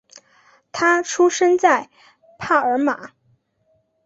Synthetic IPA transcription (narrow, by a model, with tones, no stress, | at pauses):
t̪ʰa˥ʈ͡ʂʰu˥ʂə˥nt͡sa˥˩ɪ | pʰa˥˩ə˞˧˥ma̰˨˩˦